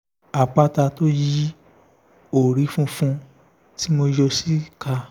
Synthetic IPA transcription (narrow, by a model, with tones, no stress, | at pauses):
a˨k͡pa˦ta˧to˦ji˦ | o˨ɾi˨˦fũ˦fũ˧ | ti˦mo˧jɔ˧si˦ka˧